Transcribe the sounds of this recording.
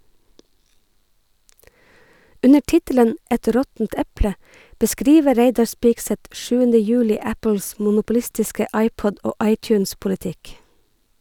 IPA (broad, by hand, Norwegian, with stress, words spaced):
ˈʔʉnə ˈʈɪtələn ˈʔɛt ˈɾɔtn̩t ˈɛplə bəˈskɾiːʋə ˈɾeɪdɑɹ ˈspɪksɛt ˈʃʉːəndə ˈjʉːlɪ ˈæpəls mʊnʊpʊˈlɪstɪskə ˈɑɪpɔd ˈoː ˈɑɪt͡ʃʉnspʊlɪˌtɪk